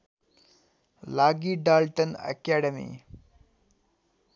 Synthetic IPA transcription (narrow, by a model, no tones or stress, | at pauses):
laːɡiɖaːlʈənɐ̰kaːɖəmḭ